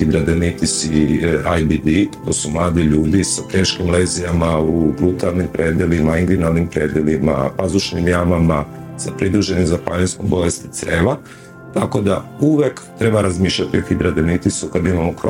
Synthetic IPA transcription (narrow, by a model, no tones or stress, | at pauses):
xid̪ɾad̪enit̪isiajbid̪it̪o̞ːsumlˠaːd̪iʎuːd̪isapɾeʃkimleːzijamaubɾut̪alnimpɾe̞ːd̪jelimaiŋɡ̪linalnimpɾe̞ːd̪jelima̰pazuʃnimjamamasapɾid̪ɾuʒe̞nizapaniskobo̞lest̪it̪seːʋa | t̪ako̞d̪auʋekt̪ɾe̞baɾazmiːʃʎat̪ioxid̪ɾad̪enit̪isukad̪imamoko